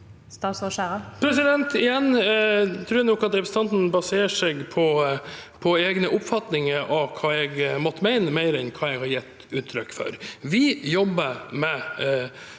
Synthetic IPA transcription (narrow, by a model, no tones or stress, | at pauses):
st̪ɑːsɔʃæːɾəpʰɾɛs̬ɪd̪ɛnt̪ɪjɛnːt̪ʰɾʉːænɔkːɑt̪d̪ɛpst̪ʰɑnt̪n̩bɑseːəʂɛɡpʰɔpʰɔeːɡnəʔʊpfɑt̪nɪŋəɾʔɑʋkʰɑːɛɡmɔt̪ːəmæɪnəmeɪɾɛnkʰɑːɛɡhɑɾjɛt̪ː | ʉːt̪ʰːɾʏkːfœ̰ɾʋɪjɔbːəmɛ